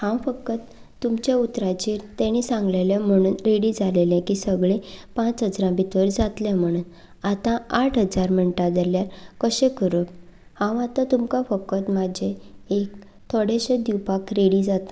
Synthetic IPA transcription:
hãwfəkːət̪ː | umt͡ɕeut̪ɾãt͡ɕiːɾt̪ɛ̃ɽ̃isãŋɡlelem̤əɽ̃uːnɾeɽid͡zalelɛ̃kiːsəɡɭepãt͡sɦəd͡zɾãbit̪ʋəɾd͡zat̪lɛ̃m̤əɽ̃uːn | at̪ãaʈʰɦəd͡zaɾm̤əɳʈad̪eljaɾkəɕẽkəɾob | hãwat̪ãt̪umkafəkːət̪mad͡ʑʱeek | t̪ʰoɽeɕẽd̪iwpakɾeɽid͡zat̪

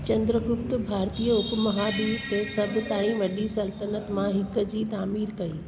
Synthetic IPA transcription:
t͡ɕɐ̃nd̪ɾəɡʊpt̪ʊ̆bʱaːɾt̪iːəʊkmɐɦaːd̪iːt̪esɐbʱɪ̆t̪aːɽ̃ĩʋɐɗisɐlt̪ənət̪mãɦɪk̆d͡ʑiːt̪aːmiːɾkɐiː

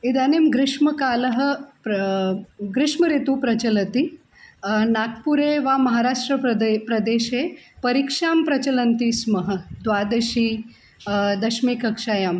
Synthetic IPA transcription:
id̪aːnemɡɾɪʂməkaːləɦə | ɡɾɪʂməɾet̪upɾɐt͡ɕɐlət̪i | nat̪ʰpuɾeʋamɐɦaːɾaʂʈɾəpɾɐd̪eːʃepɐɾikʂaːmpɾɐt͡ɕɐlənt̪iːsməɦə̆d̪ʋaːd̪ɐɕiː | d̪ɐʃmikɐkʂaːjam

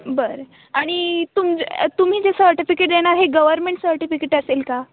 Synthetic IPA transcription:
bəɾ | aɽ̃it̪umt̪um̤iːd͡ʑesəɾʈifikeʈ̚d̪eɽ̃aɾɦeɡəʋəɾmeɳʈsəɾʈifikeʈəselka

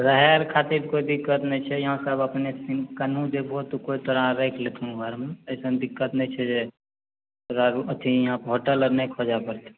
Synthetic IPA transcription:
ɾəɦɛɾkʰat̪iɾkoid̪ikːət̪nɛt͡ʃʰɛjəɦãsəbəpnesikənũd͡ʒeboːt̪ukoit̪əɾãɾekʰlet̪ʰũɡʱəɾmeəjsənd̪ikːət̪nɛt͡ʃʰɛd͡ʒe | ɾaɾət̪ʰijɦãpɦoʈələɾnekʰod͡ʒapəɾt̪e

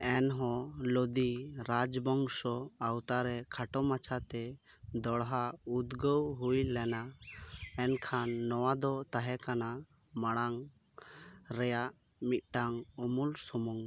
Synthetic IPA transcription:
ɛnɦɔ̃lod̪iɾad͡ʒbɔŋsɔawt̪aɾɛkʰaʈɔmat͡ʃʰat̪ɛ | d̪ɔɽɦaud̪ɡəwɦujlɛna | ɛnkʰanːɔwad̪ɔt̪aɦɛkana | maɽ̃aŋ | ɾɛjaʔ | mit̪̚ˀʈaŋɔmulsɔmuŋ

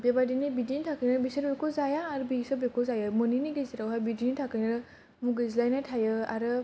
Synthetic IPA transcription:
bebadinibidintʰakɯjnɯɾbisəɾbekozajaːɾɯbisɔbekʰozajɯmɯniniɡɯziɾawɦajbidinitʰakɯjnɯɾɯ | muɡɯzlajnajtʰajɯa̰ɾɯ

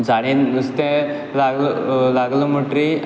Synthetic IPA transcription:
d͡zaɽĩnd̪əst̪ẽ | laɡləlaɡləməʈɾi

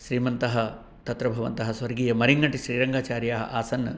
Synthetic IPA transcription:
ʃɾiːmɐnt̪ɐɦɐ̆ | t̪ɐt̪ɾɐbʱɐʋɐ̰nt̪ɐɦɐsʋɐɾɡiːjɐmɐɾiŋɡɐʈiʃɾiːɾɐŋɡaːt͡ʃaːɾjaːɦɐ̰ʔaːsɐnːɐ

